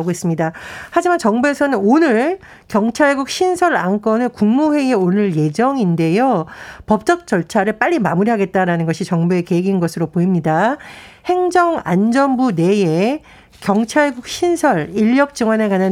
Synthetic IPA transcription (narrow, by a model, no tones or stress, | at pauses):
ɡois͈ɯmɲidahad͡ʑimant͡ɕʌŋbue̞sʰʌnɯnonɯɾ | kjʌŋt͡ɕʰaɭɡuk̚ɕʰinsʰʌɾank͈ʌnɯɭkuŋmuwe̞ieonɯɭje̞d͡ʑʌŋinde̞jopʌp̚t͡ɕ͈ʌk̚t͡ɕ͈ʌɭt͡ɕʰaɾɯɭp͈aʎːimamuɾiɦaɡe̞t̚t͈aɾanɯnɡʌɕʰit͡ɕʌŋbue̞ke̞iɡinɡʌsʰɯɾopoimɲida | he̞ŋd͡ʑʌŋa̰nd͡ʑʌnbune̞je̞ | kjʌŋt͡ɕʰaɭɡuk̚ɕʰinsʰʌɾiʎːʌk̚t͡ɕ͈ɯŋwʌnekanan